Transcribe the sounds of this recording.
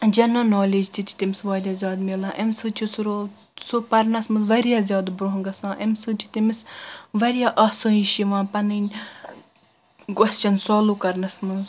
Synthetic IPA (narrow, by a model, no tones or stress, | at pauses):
d͡ʒɐnɐnoːleːd͡ʒt̪ʰit̪ʰʲi̥t̪imisʋaːd̪ʲaːzʲjaːd̪melãːʔɐmsɨt͡ʃʰisuɾo | sopɐɾnɐsmɨnzʋɐɾijaːzʲjaːd̪bɾoɦŋɡɐsãːʔemsɨt͡ʃ̪ʲʰi̥t̪imisʋɐɾijaʔɐsə̃ːiʃiʋãːpɐnɨnʲ | kwɐst͡ʃɐnsoːluːkɐɾnɐsmɨnz